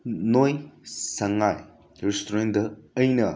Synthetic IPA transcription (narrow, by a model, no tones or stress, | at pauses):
nojsɐŋaj | ɾistuɾend̪ɐːjnɐ